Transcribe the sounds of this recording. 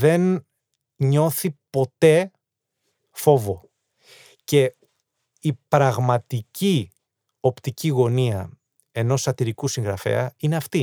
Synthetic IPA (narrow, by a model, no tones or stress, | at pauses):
ðe̞n | ɲo̞θipo̞t̪e̞ | fo̞vo̞ | ce̞ | ipɾɐɣmɐt̪ici | o̞pt̪iciɣo̞niɐ | e̞no̞sɐt̪iɾikusiŋɣɾɐfe̞̰ɐine̞ɐft̪i